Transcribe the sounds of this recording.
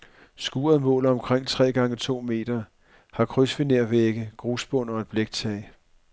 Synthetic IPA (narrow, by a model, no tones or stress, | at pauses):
sɡ̥uːɐðˠmɔ̰̽ːlɒ̽mkʰʁeŋ̰t͡sʰʁɛ̰ːɡ̥ɑ̈ŋət͡sʰo̝̰ːme̝̰ːd̥ɐ | hɑ̈kʰʁysʋineɐ̰ʋeɡ̥əɡ̥ʁusb̥ɔn̰ɒ̽eb̥leɡ̥̚t͡sʰɛː